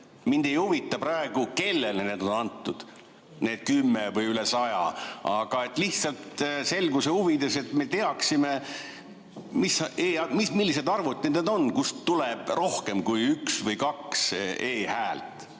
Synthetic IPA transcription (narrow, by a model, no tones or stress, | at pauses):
mind̪̥ejuvit̪ːˑɑpɾɑe̞ɡ̥uke̞lːelneed̪̥o̞nɑnt̪ːˑud̪̥ | ne̞ːd̪̥̚kymːevɯjylesɑjɑ̰ɑɡ̥ɑe̞t̪ːliht̪sɑlt̪se̞lɡuseuvid̪ese̞t̪me̞t̪e̞ɑksime̞ | miseːɑmismilːise̞d̪ɑrvut̪ned̪ed̪o̞nkust̪uleb̥ro̞hke̞mkujyksvəjkɑkseːhæːlt̪ˑ